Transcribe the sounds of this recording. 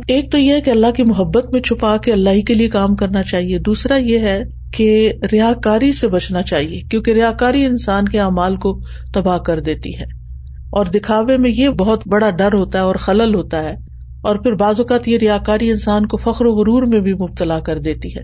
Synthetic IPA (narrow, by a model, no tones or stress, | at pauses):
eːk̚t̪ojeɦɛkeɐlːaɦkimʊɦəbːət̪mẽt͡ʃʰʊpakeɐlːaːɦikeliekaːmkɐɾnat͡ʃaːɦied̪uːsɾajeɦɛ | keɾɪjaːɦkaːɾisebɐt͡ʃnat͡ʃaːɦiekjõːkeɾɪjaːɦkaːɾiɪ̃nsaːnkeaːmaːlko | t̪ɐbaːkɐɾd̪eːt̪ḭɦɛː | ɔːɾd̪ɪkʰaːʋemẽjebɐɦʊt̪bɐɽaɖɐɾɦoːt̪aɦɛɔːɾxɐləlɦoːt̪aɦɛː | ɔːɾpɪɾbaːzʊkaːt̪jeɾɪjaːɦkaːɾiɪnsaːnkofɐxɾoɣʊɾuːɾmẽbʱimʊb̚t̪əlakɐɾd̪eːt̪iɦɛː